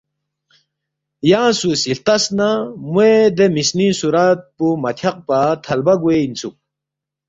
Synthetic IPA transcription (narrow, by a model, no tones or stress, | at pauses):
jasusilt̪ɐsnamued̪emisnisuɾat̪̚pumɐt̪ʰɐq̚pat̪ʰɐlbaɡueint͡sʰu